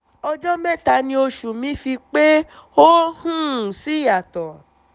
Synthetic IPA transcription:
ɔ˧d͡ʒɔ˦mɛ̃˦˨ta˨˦nĩ˧o˧ʃu˨mĩ˨˦fi˧k͡pe˦o˦hũ˦˨si˨˦˨a˨tɔ˨

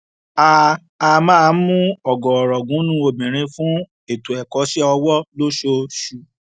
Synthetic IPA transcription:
a˧ | a˧mãː˦˧˦mũ˦ɔ˨ɡɔ̃˨ɔ˨ɾɔ˨ɡũ˨˦nũ˦o˧bĩ˨ɾ̃ĩ˧fũ˦ | e˨tu˨ɛ˨kɔ˨˦ʃɛ˦ɔ˧wɔ˦lo˦ʃo˧ʃu˧˨

